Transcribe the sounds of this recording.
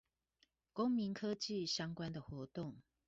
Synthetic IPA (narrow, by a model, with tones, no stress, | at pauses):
ko˦ŋmi˨˦nkʰɤ˦t͡ɕi˥˨ɕjɑ˥˦ŋkwa˦nd̪ə˨xwɔ˨˥˦t̪o˥˨ŋ